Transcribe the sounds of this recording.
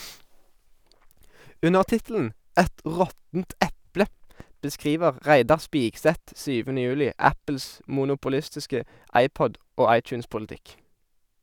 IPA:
ˈʉnəʁ ˈtɪtl̩n̩ ˈɛt ˈʁɔtn̩t ˈʔɛplə bəˈskʁiːʋəʁ ˈʁæɪdɑʁ ˈspiːksɛt ˈsyːʋənə ˈjʉːlɪ ˈæpl̩s muːnʊpʊˈlɪstɪskə ˈɑɪˌpɔd ˈoː ˈɑɪˌt͡ʃʉːnspʊlˌtɪk

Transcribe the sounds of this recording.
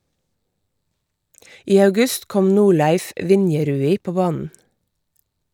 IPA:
ˈiː ɑʉˈɡʉst ˈkɔm ˈnuːˌɭæɪf ˈʋɪnjɛˌɾʉːiː ˈpoː ˈbɑːnn̩

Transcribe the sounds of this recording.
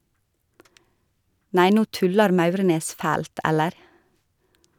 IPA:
ˈnæɪ ˈnuː ˈtʉlɑɾ ˈmɑʉɾneːs ˈfæːlt ˈɛləɾ

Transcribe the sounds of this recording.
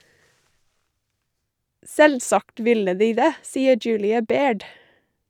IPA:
ˈsɛlˌsɑkt ˈʋɪlə ˈdiː ˈdeː ˈsiːə ˈd͡ʒʉːlɪɑ ˈbeːɖ

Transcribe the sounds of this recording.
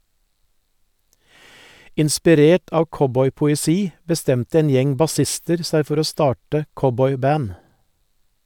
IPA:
ɪnspɪˈɾeːʈ ˈɑːʋ ˈkɔbɔʏpʊɛˌsiː bəˈstɛmtə ˈeːn ˈjɛŋ bɑˈsɪstəɾ ˈsæɪ ˈfɔɾ ˈoː ˈstɑːʈə ˈkɔbɔʏˌbæːn

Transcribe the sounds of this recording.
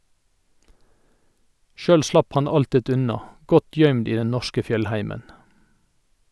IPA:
ˈʃœl ˈslɑp ˈhɑn ˈɑltɪt ˈʉnɑ ˈɡɔt ˈjœʏmd ˈiː ˈdɛn ˈnɔʃkə ˈfjœlˌhæɪmən

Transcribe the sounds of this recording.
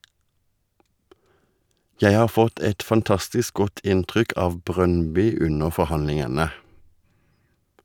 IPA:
ˈjæɪ ˈhɑːʁ ˈfɔt ˈɛt fɑnˈtɑstɪsk ˈɡɔt ˈʔɪntʁʏk ˈʔɑːʋ ˈbʁœnˌbʏ ˈʉnəʁ ˌfɔʁˈhɑnlɪŋənə

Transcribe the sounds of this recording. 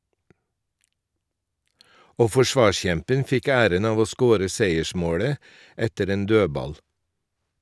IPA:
ˈoː ˌfɔˈʃʋɑːˌʃçɛmpən ˈfɪk ˈæːɾən ˈɑːʋ ˈoː ˈskoːɾə ˈseɪəˌʃmoːɽə ˈɛtəɾ ˈeːn ˈdøːbɑl

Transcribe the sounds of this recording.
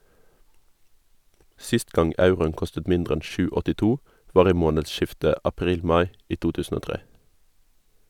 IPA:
ˈsɪst ˈɡɑŋ ˈɑʉʁʊən ˈkɔstət ˈmɪndʁ ˈɛn ˈʃʉː ɔtɪˈtuː ˈʋɑːʁ ˈiː ˈmoːnədˌʃɪftə ɑˈpʁiːl ˈmɑɪ ˈiː ˈtuː ˈtʉːsn̩ ˈoː ˈtʁeː

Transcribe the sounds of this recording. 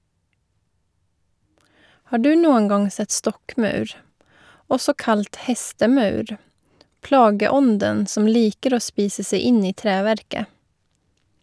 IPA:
ˈhɑː ˈɖʉː ˈnuːəŋ ˈɡɑŋ ˈsɛt ˈstɔkˌmɑʉɾ ˈɔsɔ ˈkɑlt ˈhɛstəˌmɑʉɾ ˈplɑːɡəˌɔndən ˈsɔm ˈliːkəɾ ˈoː ˈspiːsə ˈseɪ ˈɪn ˈiː ˈtɾeːˌʋæɾkə

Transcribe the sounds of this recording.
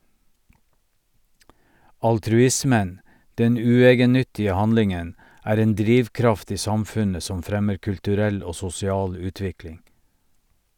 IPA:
ɑltɾʉˈɪsmən ˈdɛn ˈʉːˌeːɡənˌnʏtɪə ˈhɑnlɪŋən ˈæːɾ ˈeːn ˈdɾiːʋˌkɾɑft ˈiː ˈsɑmˌfʉnə ˈsɔm ˈfɾɛməɾ kʉltʉˈɾɛl ˈoː sʊsɪˈɑːl ˈʉːˌtʋɪklɪŋ

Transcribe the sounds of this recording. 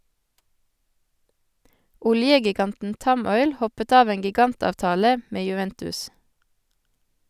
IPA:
ˈʊljəɡɪˌɡɑntn̩ ˈtɑˌmɔʏl ˈhɔpət ˈɑːʋ ˈeːŋ ɡɪˈɡɑntɑːʋˌtɑːlə ˈmeː jʉˈʋɛntʉs

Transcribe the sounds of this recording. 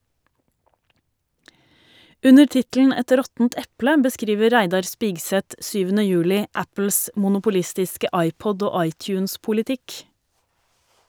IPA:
ˈʉnəɾ ˈtɪtl̩n̩ ˈɛt ˈɾɔtn̩t ˈɛplə bəˈskɾiːʋə ˈɾæɪdɑɾ ˈspiːɡsɛt ˈsyːʋənə ˈjʉːlɪ ˈæpl̩s mʊnʊpʊˈlɪstɪskə ˈɑɪˌpɔd ˈoː ˈɑɪˌtjʉːnspʊlɪˌtɪk

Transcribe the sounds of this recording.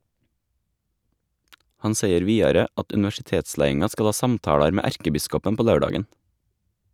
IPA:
ˈhɑn ˈseɪəɾ ˈʋiːɑɾə ˈɑt ʉnɪʋæʃɪˈteːtˌslæɪɪŋɑ ˈskɑl ˈɑː ˈsɑmtɑːɽɑɾ ˈmeː ˈæɾkəˌbɪskɔpən ˈpoː ˈlɑʉˌɖɑːɡən

